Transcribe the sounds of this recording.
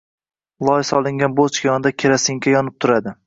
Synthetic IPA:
lˠɒɪsɒlˠɪŋɡʲanbot͡ʃɡʲijɒnɪd̪akʲʰeɾasɪŋkʲʰajɒnɪp̚t̪ʰʊɾad̪ɪ

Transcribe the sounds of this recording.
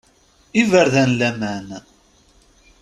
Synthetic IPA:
ivəɾðænlæmæn

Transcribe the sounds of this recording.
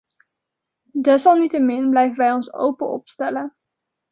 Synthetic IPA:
dɛsɑlˠnitəmɪnblɛjvənʋɛjɔnso̰wpəɔ̰pstɛlən

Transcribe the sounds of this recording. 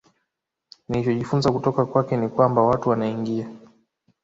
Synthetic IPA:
nilit͡ʃɔʄifunzakutɔkakwakɛnikwambawatuwanaiŋɡia

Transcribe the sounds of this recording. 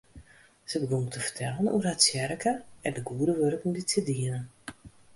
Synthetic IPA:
z̥əbəɡoŋtəvərtʰɛlənṵərɦatsjɛɾəkəɛndəɡuədəʋørəkunditədiənən

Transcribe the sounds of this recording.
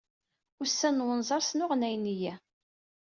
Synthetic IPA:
ʊɾsːænwənzˤɑɾˤsnʊʁnæjnijæ

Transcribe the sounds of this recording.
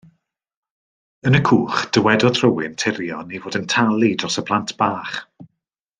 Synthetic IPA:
ənəkʰuːχd̥əwɛdɔθʰrəwɪntʰɪɾjɔnevoːdəntʰalˠidrɔsəpʰl̥ˠantʰb̥aːχ

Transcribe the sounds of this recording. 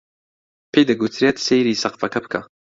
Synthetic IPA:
pʰejd̪ɐɡut̪ʰɾet̪sejɾiːsɐqfɐkʰɐbɨ̥kʰɐ̰

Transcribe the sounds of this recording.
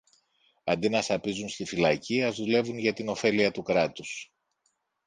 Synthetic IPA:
ɐnd̪inɐsɐpizunst̪ifilɐciɐzðule̞vunʝɐt̪ino̞fe̞liɐt̪ukɾɐt̪us

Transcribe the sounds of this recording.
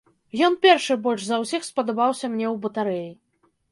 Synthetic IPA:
jɔnpʲɛrʂɨbɔlʲʐzɐwsʲixspɐd̪ɐbawsʲɐmnʲɛwbɐt̪aɾɛji

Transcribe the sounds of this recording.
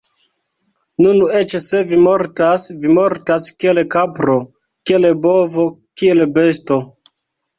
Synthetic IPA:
nune̞t͡ʃse̞vimoɾtasvimo̞ɾtaskielekapɾo̞ | kielebovo̞kie̞lbe̞sto̞

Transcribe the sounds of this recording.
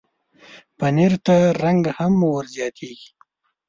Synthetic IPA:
paneɾt̪aɾaŋɡahamwəɾzjɑt̪ʰeɡi̥

